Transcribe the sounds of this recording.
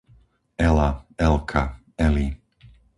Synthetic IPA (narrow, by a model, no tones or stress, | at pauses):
ɛlaɛlkʰa | ɛli